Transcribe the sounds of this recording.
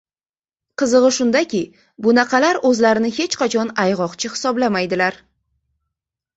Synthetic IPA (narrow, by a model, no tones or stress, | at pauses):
qʰɨzɨʁɨʃʊnd̪akʲɪ | bʊnaqʰɑlaɾɵzlaɾɪnɪhe̞t͡ʃqɑt͡ʃʰɒnajʁɒqt͡ʃʰɪhɪ̥sɒblamajd̪ɪlaɾ